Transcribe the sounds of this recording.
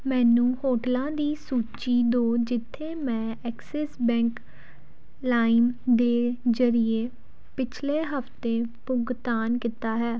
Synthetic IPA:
mɛ̃ːnũːhoːʈlãːd̪iːsuːt͡ʃiːd̪oːd͡ʒɪt̪ʰːeːmɛ̃ːɛːksɛːsbɛ̃ːŋk | laːɪmd̪eːzəɾɪeː | pɪt͡ʃʰleːɦəft̪eːpʊɡt̪aːnkit̪aːɦɛː

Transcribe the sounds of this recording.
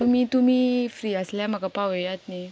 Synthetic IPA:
umit̪umifɾiaslamakapaweat̪̚ni

